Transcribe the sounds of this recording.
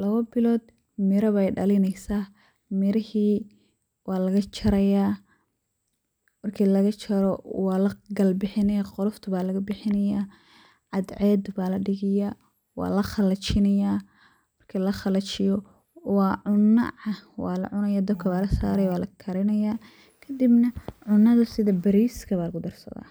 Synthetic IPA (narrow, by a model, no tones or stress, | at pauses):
lɐβɐbɪlɔːd̪ | mɪɾɐβɛjɖɐlɪnɛjsaː | mɪɾɪhiː | wɑːlɐɣɐt͡ʃʰɐɾɐjaː | mɐrkʰiːlɐɣɐt͡ʃʰɐɾɔwɑːlɐɡɐlbɪħɪnɐjaːqɔlɔft̪ʰʊβaːlɐɣɐbɪħɪnɐjaː | ʕɑd̪ʕɛːd̪baːlɐɖɪɣɪja | wɑ̰ːlɐχɑlɐt͡ʃɪnɐjaː | mɐrkʰiːlɐχɐlɐt͡ʃɪjɔ | wɑːʕʊnːɐ̰ʕɐwɑːlɐ̰ʕʊnɐjaːd̪ɐbkʰɐβaːlɐsa̰ːɾɛjwɑːlɐkʰɐɾɪnɐjaː | kʰɐd̪ibnɐʕʊnːɐðɐsɪðɐbɐɾiːskʰɐβaːlɐɣʊd̪ɐrsɐ̰ða̰ː